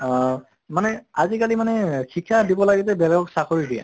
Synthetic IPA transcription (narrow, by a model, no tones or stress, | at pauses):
manɛazikalimanɛxikʰːadibɔlaɡit̬ɛbɛlɛɡɔksakʰoɹidiɛ̰